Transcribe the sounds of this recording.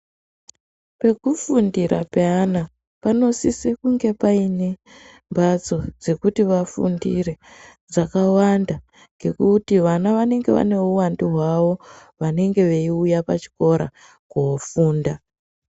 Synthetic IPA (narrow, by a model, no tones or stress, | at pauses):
pe̞kufundiɾapeana | pano̞sisekuŋɡe̞paine̞ | mbat͡so̞d͡ze̞kutiʋafṵndire̞d͡zakawanda | ŋɡe̞kutiʋanaʋane̞ŋɡe̞ʋa̰ne̞uwandiɦwaʋo̞ʋane̞ŋɡe̞ʋe̞iujapat͡ʃi̥ko̞ɾa̰ | kuofuːnda